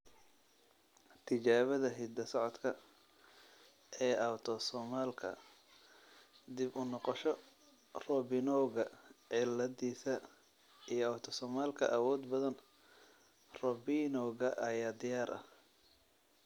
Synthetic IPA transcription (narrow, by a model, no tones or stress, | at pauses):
t̪ʰɪt͡ʃaːβɐðɐɦɪd̪ɐsɔʕɔd̪kʰɐ | ʔɛːʔɐwt̪ʰɔsɔːmaːlkʰɐ̰ | d̪ɪbʊnɔqɔʃɔ | rɔbɪnɔɣɐʕɪlɐðiːsɐ | ijɔɐwt̪ʰɔsɔːmaːlkʰɐ̰ʔɐwɔːd̪bɐðɐn | rɔbinɔɣɐʔɐjaːd̪ɪjaːɾʔɐ̰h